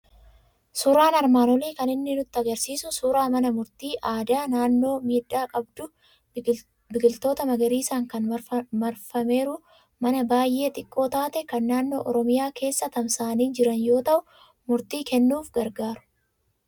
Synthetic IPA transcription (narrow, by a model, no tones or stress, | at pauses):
sʊɾaːnɐɾmaːnɔleːkɐnɪnːɪnʊt̪ːɪɐɡɐɾsiːsʊsuːɾaːmɐnɐmʊɾt̪iːʔaːd̪aːnaːnːo̞ːmiːᶑːaːkʼɐbd̪ʊ | bɪɡɪlt̪o̞ːt̪ɐmɐɡɐɾiːsaːŋkɐnmɐɾfɐme̞ːɾʊ | mɐnɐbaːjːe̞ːt̪ʼɪkʼːo̞ːt̪aːt̪ɛkɐnːaːnːo̞ːʔɔɾɔmɪjaːkʰe̞ːsːɐt̪ɐmsaːniːd͡ʒɪɾɐnjoːt̪ɐʔʊ | mʊɾt̪iːkɛnːuːfɡɐɾɡaːɾʊ̥